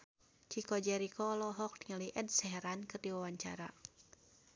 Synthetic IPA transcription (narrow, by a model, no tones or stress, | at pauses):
t͡ʃikɔd͡ʒɛɾikɔlɔɦɔk̚dŋəliʔədsɛɦɛɾankɨrdiwawaɲt͡ʃa̰ɾa̰